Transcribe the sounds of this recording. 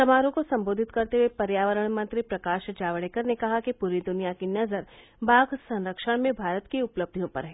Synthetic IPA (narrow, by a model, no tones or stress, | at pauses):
sɐmaːɾõkosɐ̃mboːd̪ʱɪt̪kɐɾt̪eɦuepɐɾjaːʋəɾəɽ̃mɐ̃nt̪ɾipɾɐkaːʃd͡ʒaːʋəɽeːkəɾnekɐɦakipuːɾid̪ʊnijakinɐzəɾ | baːɡʱsɐ̃nɾəkʃəɽ̃mẽbʱaːɾət̪kiʊpləb̚d̪ʱijõpɐ̰ɾɦɛː